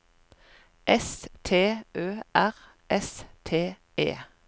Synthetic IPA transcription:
ʔɛst̪ʰeːøːʔæʁ | ʔɛst̪ʰeː | ḛː

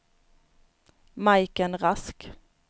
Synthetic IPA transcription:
majkənɾask

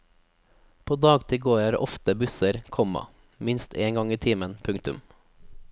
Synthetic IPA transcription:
pʰoːd̪ɑːɡt̪ʰɪɡoːɾæːɾʔɔft̪əbʉsəɾkʰɔmɑ̰ | mɪnst̪ʰeːŋɡɑŋiːt̪ʰiːmənpʰʉŋt̪ʉ̰m

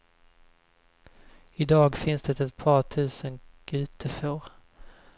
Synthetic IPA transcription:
ɪd̪ɑːɡfɪnsd̪ɛt̪ɛt̪̚pʰɑːʈʰʉ̟ːsənɡ̥ʉ̟ːt̪ʰəfoːɾ

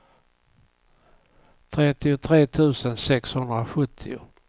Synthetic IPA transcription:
t̪ʰɾɛt̪ɪʊt̪ʰɾeːt̪ʰʉ̟ːsənsɛkshɵnd̪ɾaɧɵt̪ʰːɪʊ̰

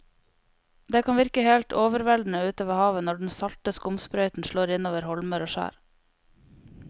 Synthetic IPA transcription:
d̪eːkʰɑnʋɪɾkəheːlt̪oːʋəɾʋɛld̪n̩əʉːt̪oːʋəhɑːʋənɔɖɳ̩sɑlt̪əskʊmspɾœʏt̪n̩ʃɭoːɾɪnoːʋəɾhɔlməɾoːʃæ̰ːɾ

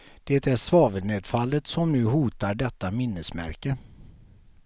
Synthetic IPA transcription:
d̪̥eːt̪æʂvɑːvəneːd̪falːət̪sɔmnʉ̟ːɦuːt̪aɖɛt̪ːamɪnːəsmæ̰ɾkə

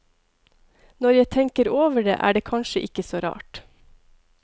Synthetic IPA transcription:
nɔɾjæɪt̪ʰɛŋkəɾoːʋəɖḛːʔæ̰ːɖeːkʰɑnʃəʔɪkəsoːɾɑ̰ːʈ

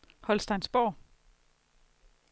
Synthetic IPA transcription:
hɒ̽lsd̥ɑ̈ɪnsb̥ɒ̰ː

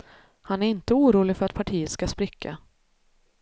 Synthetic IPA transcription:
hanæɾɪnt̪əuːɾuːlɪɡfœɾat̪pʰaʈʰiːət̪skaspɾɪkʰːa̰

